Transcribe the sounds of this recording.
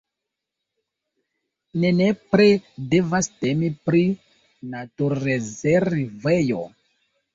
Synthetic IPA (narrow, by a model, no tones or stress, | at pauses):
nenepɾedevastemipɾi | natuɾezeɾivejo̰